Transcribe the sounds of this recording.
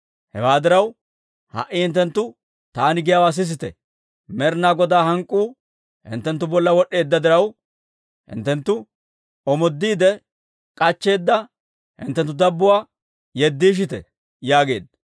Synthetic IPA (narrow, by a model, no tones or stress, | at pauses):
hɛwaːd̪ɪɾɐw | hɐ̰ʔɪhɪnt̪ːɛnt̪ːʊ | t̪aːnɪɡɪjawaːs̬ɪs̬ɪt̪ɛ | mɛɾnaːɡɔd̪aːhɐŋkʼːuː | hɪ̰nt̪ːɛnt̪ːʊbɔlːɐwɔɗːe̞ːd̪ːɐd̪ɪɾɐw | hɪ̰nt̪ːɛnt̪ːʊ | ɔmɔd̪ːiːd̪ɛ | kʼɐt͡ʃːe̞ːd̪ːɐ | hɪ̰nt̪ːɛnt̪̬ːʊd̪ɐbːʊwaː | jɛd̪ːiːʃ̬ɪt̪ɛ | jaːɡe̞ːd̪